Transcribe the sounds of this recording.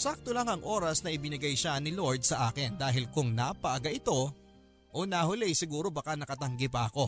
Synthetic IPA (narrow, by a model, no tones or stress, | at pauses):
sak̚t̪olaŋɐŋʔo̞ːɾɐsnɐʔɪbɪnɪɡajʃanɪlo̞ɹd̪̚sɐʔaːkɪnd̪aːɦɪlkʊŋnapɐʔɐɡaʔɪt̪o̞ | ʔonɐhʊlɛjsɪɡuːɾo̞bɐkanɐkɐt̪ɐŋɡɪpɐʔɐko̞